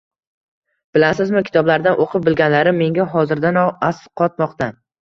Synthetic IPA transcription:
b̥ɪlasɪzmɪkʲʰɪ̥t̪ʰɒblaɾd̪anʔoqʰɨp̚bɪlɡʲanlaɾɪmːe̞ŋɡʲaɦɒzɪɾd̪anɒasqʰɒt̪mɒqt̪ʰa

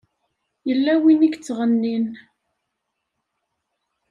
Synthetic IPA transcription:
jəlːæwinikt͡sːʁənːin

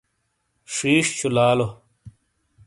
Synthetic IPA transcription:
ʂiːʂt͡ɕʰulaːlo

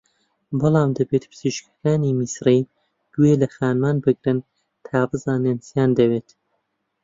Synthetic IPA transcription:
bɨlˠɑːmd̪ɐbeːt̪pʰɨz̥iʃkʰɐ̥kaːniːmisrij | ɡ̪̥ueːlɐxaːnmaːnbɨɡɾɨn | t̪ʰaːbɨzaːnensjaːnd̪ɐweːt̪

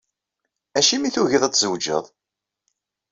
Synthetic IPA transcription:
æʃimiθuʝiðˤæt͡sːzəwd͡ʒə̰ðˤ

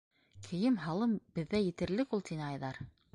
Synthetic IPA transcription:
kʰɘ̆jɘmɦɑlˠɤmbɘ̆ðːæjɘ̆t̪ɘ̆ɾlɘkulˠt̪inɘɑjðɑɾ

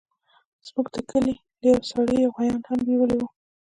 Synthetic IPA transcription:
z̥muɡd̪əkəli | ləjawsɑɽəjawɣajɑnhambiwəliwu

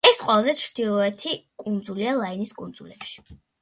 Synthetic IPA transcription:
ɛsqʼwɛlˠazɛt͡ʃʰɾd̪̥ilˠɔɛt̪ʰikʼund̪zulialˠainiskʼund̪zulɛpʃi̥

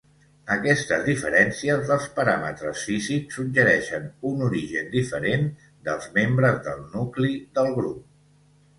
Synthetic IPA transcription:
əkɛst̪əzðifəɾɛnsiəzðəlˠspəɾamə̰t̪ɾəsfiziksːuʒəɾɛʃənunuɾiʒənd̪ifəɾen | d̪əlˠzmembɾəzðəlˠnukliðəlˠɣɾup̚

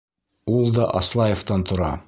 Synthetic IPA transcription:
ulˠd̪ɒʔɒslˠɑjĕft̪ɑnt̪ŏɾɑ

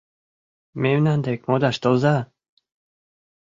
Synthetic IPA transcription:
mewnand̪ekmod̪aʃt̪oza

